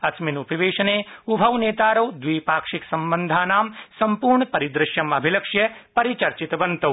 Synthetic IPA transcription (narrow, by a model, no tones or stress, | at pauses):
ɐsminupiʋeːʃɐneːubʱɐwneːt̪aːɾɐwd̪ʋiːpaːkʂiksɐmbɐnd̪ʱaːnaːmsɐmpuːɾɳɐpɐɾid̪ɾɪʃjɐmɐbʱilɐkʂjɐpɐɾit͡ʃɐɾt͡ʃit̪ɐʋɐnt̪ɐ